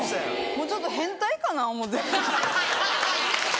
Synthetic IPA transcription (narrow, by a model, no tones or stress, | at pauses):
moːt͡ɕo̞t̪ːoɦẽ̞nt̪aikanaomot̪̬ːe